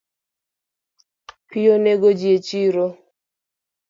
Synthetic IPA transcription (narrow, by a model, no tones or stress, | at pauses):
pɪoneɡod͡ʒjet͡ʃiɾo